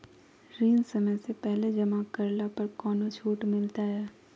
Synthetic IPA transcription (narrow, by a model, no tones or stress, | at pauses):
ɾiːnsɐməjsepɛɦled͡ʒɐmakɐɾlapɐɾkɔːnot͡ʃʰuːʈmɪlt̪aɦɛː